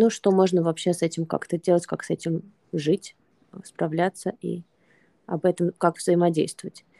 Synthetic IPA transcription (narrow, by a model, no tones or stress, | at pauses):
nuʂt̪o̞mo̞ʐnəvɐpɕːe̞sɛtʲɪmka̰kt̪ədʲe̞lˠətʲkaksɛtʲɪm | ʐɨtʲ | əspɾɐvlʲat̪səʔḭ | ɐbɛt̪əmkakvzəɪmɐdʲejst̪vəvətʲ